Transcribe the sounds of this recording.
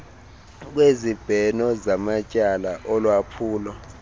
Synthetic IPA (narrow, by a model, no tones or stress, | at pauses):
k̬wezib̥ʱɛnɔzamacʼalaʔɔlwapʰuːlɔ